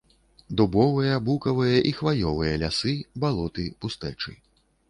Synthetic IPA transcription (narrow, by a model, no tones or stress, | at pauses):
d̪ubɔvɨjɐbukɐvɨjɐʔixvajɔvɨjɐlʲasɨbalˠɔt̪ɨpust̪ɛt͡ʂɨ̰